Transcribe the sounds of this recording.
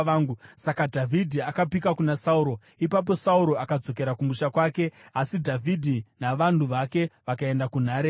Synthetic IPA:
aːŋɡusakadʱavʱidʱiakapikakunasauɾo̞ | ipap̬o̞sauɾo̞akad͡zo̞k̬e̞ɾakumuʃakwaːke̞asidʱavʱidʱinaʋantuʋake̞ʋakae̞ndakun̤aːɾe

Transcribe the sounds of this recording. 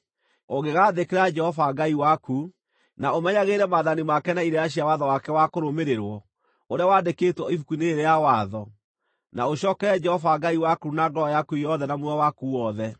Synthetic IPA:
oɣeɣaːðekeɾad͡ʒɛhɔvaɡaiwaku | naomɛɲaɣeɾɛmaðanimakɛnaiɾejaɕ̬iawaðɔwakɛwakoɾomeɾeɾwɔ | oɾeawandeketwɔifukuneːɾejawaðɔ | naoɕɔːkɛɾɛd͡ʒɛhɔvaɡaiwakunaŋɡɔɔjakujɔðɛnamwawakuwɔðɛ

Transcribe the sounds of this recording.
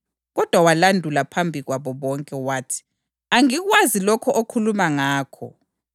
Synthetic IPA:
ɣɔd̥ʱwawalandʱulapʰambʱiɣwaβɔβɔŋkʼɛwaːtʰi̥ | aŋiɣwazilɔkʰɔʔokʰulumaŋaːkʰɔ̰

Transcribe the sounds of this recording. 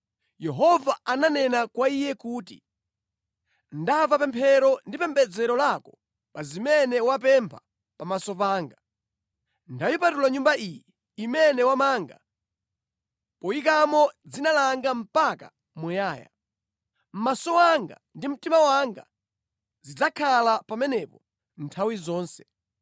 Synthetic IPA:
jɛɦɔvaananɛnakwaijɛkuːtḭ | ndavapɛmpʰɛɾɔndipɛmbɛd͡zɛɾɔlakɔ | pazimɛnɛwapɛmpʰḁ | pamasɔpaːŋɡa | ndajɔpatulaɲumbaʔijɛ | imɛnɛwamaːŋɡa̰ | pɔjik̬amɔd͡zinalaŋɡam̩paka̰ | mujaːja̰ | m̩masɔwaŋɡa | ndim̩timawaŋɡa̰ | zid͡zakʰalapamɛnɛpɔ | ntʰawizɔːnsɛ̥

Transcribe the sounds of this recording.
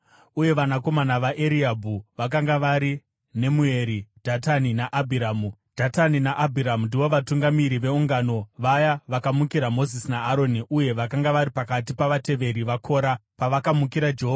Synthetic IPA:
uje̞ʋanako̞manaʋaʔeɾiabʱuʋakaŋɡaʋaɾi | ne̞mue̞ɾid̥ʱataninaʔabʱiɾaːmud̥ʱataninaʔabʱiɾamundiʋo̞ʋatuŋɡamiɾiʋe̞uŋɡano̞ʋajaʋakamukiɾamo̞zisinaːɾo̞niʔuje̞ʋakaŋɡaʋaɾipakat̬ipaʋate̞ʋe̞ɾiʋakʰo̞ːɾapaʋakamukiɾad͡ʒeɦoa

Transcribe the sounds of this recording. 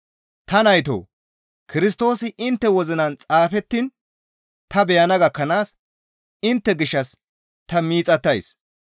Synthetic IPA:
t̪ɐnɐjt̪o̰ː | kɪɾɪs̬t̪o̞ːsɪʔɪnt̪ːɛwɔzɪnɐnt͡sʼaːfɛt̪ːɪn | t̪ɐbɛjɐnɐɡɐkːɐnaːs | ɪnt̪ːɛɡɪʃːɐs | t̪ɐmiːt͡sʼɐt̪ːɐjs

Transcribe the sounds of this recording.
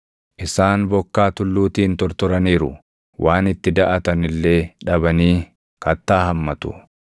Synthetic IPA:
ʔɪsaːnbɔkːaːt̪ʊlːuːt̪iːnt̪ɔɾt̪ɔɾɐniːɾʊ̰ | wʔaːnɪt̪ːɪd̪ɐʔɐt̪ɐnɪlːe̞ːᶑɐbɐniː | kɐt̪ːaːɦɐmːɐt̪ʊ̥̰

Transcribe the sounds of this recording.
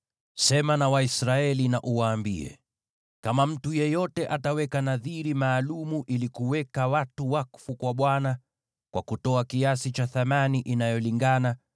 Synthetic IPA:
sɛmanawaisɾaɛlinaʔuwaːmbiɛ̰ | kamam̩tujɛjɔtɛʔatawɛkanaðiɾimaːlumuʔilikuwɛkawatuwakfukwaɓwana | kwa̰kutɔakiasit͡ʃaθamaniʔinajɔliŋɡana

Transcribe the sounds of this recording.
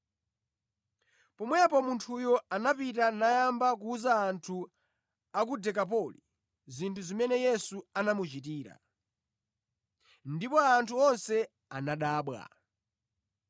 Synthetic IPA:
pɔmwɛapɔmuntʰujɔanapitanajambak̬uːzaːntʰu | akudɛkap̬ɔlḭ | zintʰuzimɛnɛjɛsuanamut͡ʃit̬iːɾa̰ | ndipɔantʰuɔnsɛ | anaɗaːɓwa̰

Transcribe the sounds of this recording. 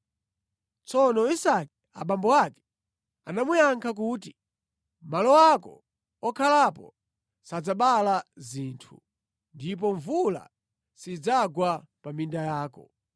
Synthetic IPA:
t͡sɔnɔisakɛ | a̰ɓambɔwakɛ̥ | anamujaŋkʰak̬uːt̬i | malɔwakɔ̰ | ɔkʰalapɔ | sad͡zaɓalaziːntʰu | ndip̬ɔɱvula̰ | sid͡zaɡwapamindajaːkɔ̰

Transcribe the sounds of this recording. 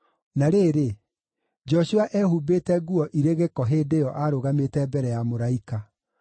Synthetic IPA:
naɾeːɾe | d͡ʒɔɕuaʔɛhubetɛɡuɔʔiɾeɣekɔɦeːdejɔʔaɾoɣametɛbɛɾɛjamoɾaika

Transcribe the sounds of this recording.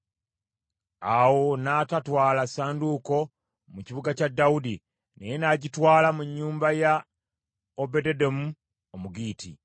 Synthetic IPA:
awo̞natatwaːlasaːnduko̞ | muciβuɡacadːawudi | ne̞je̞naɟitwaːlamuɲːuːmbaja | obededomu | omuɡiːtḭ

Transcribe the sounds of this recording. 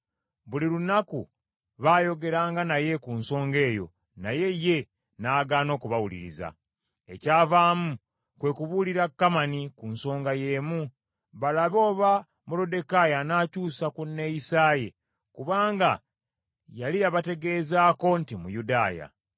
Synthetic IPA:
βuliɾunakṵ | βaːjo̞ɡe̞ɾaːŋɡanaje̞kunso̞ːŋɡe̞ːjo̞̰ | naje̞je̞ | naːɡaːno̞ːkuβawulḭɾḭza̰ | e̞̰caːvaːmu | kwe̞kuβuliɾakːamanikunso̞ːŋɡaje̞ːmu | βalaβo̞ːβa | mulo̞de̞kajanaːcuːsakunːe̞jisaːjḛ | kuβaːŋɡa | jalijaβate̞ɡe̞ːzaːko̞ntimṵjudaːja̰

